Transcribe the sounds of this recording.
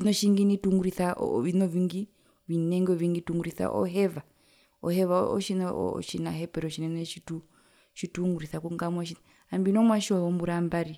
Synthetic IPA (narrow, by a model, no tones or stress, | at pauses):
ʃinɔʃiŋɡinituŋɡuɾiθaʔʋinɔviŋɡi | ʋinɛŋɡɔʋiŋɡituŋɡuɾiθa̰ʔɔ̰ɦɛva | ɔhɛvaɔ̰ʃinɔ̰ʃinaɦɛpɛɾɔʃinɛŋɛʃitu | ʃituŋɡuɾiθakuŋɡamwaʃin | ambinɔmwaʃiɔɔmbuɾambaɾi